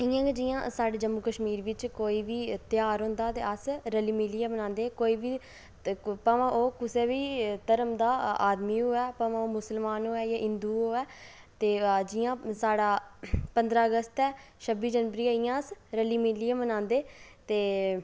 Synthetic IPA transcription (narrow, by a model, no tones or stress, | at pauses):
ɪjãːɡeːd͡ʒɪjã̰ːsaːɖeːd͡ʒəmːuːkəʃmiːɾʋɪt͡ʃkoːiːʋiːt̪ɪjaːɾɦʊ̃ːnd̪aːt̪ḛːəsɾəliːmiliːaːmənãːnd̪eːkoːiːʋiː | paʋãʔoːkʊseːbiːt̪əɾəmd̪aːaːd̪miːɦoːɛːpə̃ʋãoːmʊsəlmaːnɦoːɛːjaːʔɪnd̪uːɦoːɛː | t̪eːd͡ʒɪjãːsaːɽaːpənd̪ɾaːəɡəst̪ɛː | ʃʰəbiːd͡ʒənʋəɾiːaːijãːsɾəliːmɪliːãːmənãːnd̪eːt̪eː